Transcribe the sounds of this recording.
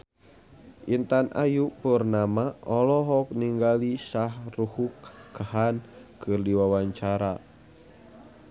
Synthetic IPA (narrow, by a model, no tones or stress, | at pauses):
ʔint̪anʔa̰jupərnamaɔlɔɦɔk̚niŋɡalisahruhukɡahankərdiwawaɲt͡ʃaɾa